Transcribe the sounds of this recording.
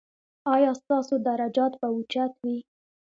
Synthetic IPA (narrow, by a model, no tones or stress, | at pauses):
ɑjɑst̪ɑsod̪aɾad͡ʒɑt̪baut͡ʃat̪wi